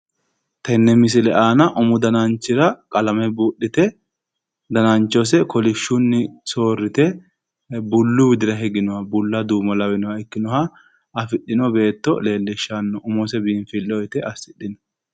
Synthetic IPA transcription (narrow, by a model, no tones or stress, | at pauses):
t̪ɛnːɛmɪs̬ɪlɛʔaːnɐʔʊmʊd̪ɐnɐnt͡ʃːɪɾɐkʼɐlɐmɛbuːɗːɪt̪ɛ | d̪ɐnɐnt͡ʃːɔs̬ɛkɔlɪʃːʊnːɪso̞ːrːɪt̪ɛ | bʊlːʊwɪd̪ɪɾɐɦɛɡɪnɔhɐbʊlːɐd̪uːmɐlɐwɪnɔhɐɪkːɪnɔhɐ | ɐfɪɗːɪnɔbe̞ːt̪ːɔle̞ːlːɪʃːɐnːɔʔʊmɔsɛbiːnfɪlːɔjt̪ɛʔɐsɪɗːɪnɔ̥